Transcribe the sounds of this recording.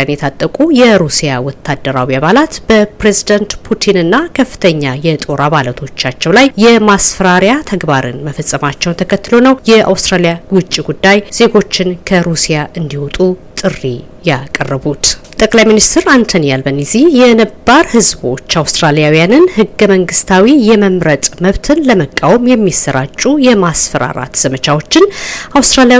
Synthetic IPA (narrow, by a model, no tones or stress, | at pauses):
njɛt̪ʰat̪ʼːəkʼujɛɾusijawɔt̪ʰːad̪ːəɾawiaβalat̪b̥əpɾe̞zid̪ənt̪pʰut̪ʰinɨnːakʰəfːɨ̥t̪ʰəɲːajɛt̪ʼo̞ɾaβalət̪ʰo̞t͡ʃːat͡ʃːɛwlajːɛmasfəɾaɾjat̪ʰəɡbaɾɨ̰nməfəsʼːəmat͡ʃːɛwnt̪ʰəkʰət̪ːɨlo̞nəwjɛʔa̰wst̪ʼɾalijaɡwʊt͡ʃʼːiɡud̪ːajz̥e̞ɡo̞t͡ʃːɪnkʰəɾusijaʔɨnd̪ihɔt̪ʼut̪ʼɨrːi | jakʼərːəbut̪t̪ʼəkʼlajminist̪ʰɨɾant̪ʰənijalbənizijɛnəbaɾhɨzbo̞t͡ʃːawst̪ɾalijawijanɨnhɨɡːəməŋɡɨst̪ʰawijɛməmɾət̪ʼməβt̪ʰɨnləməkʼawmjɛmːisːəɾa̰t͡ʃʼːujɛmasfəɾa̰ɾa̰t̪z̥əmət͡ʃawo̞t͡ʃːɪnʔawst̪ʼɾalija